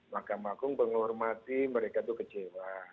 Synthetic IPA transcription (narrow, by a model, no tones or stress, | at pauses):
makamakuŋbəŋɔrmat̪iməɾekat̪ukət͡ʃewa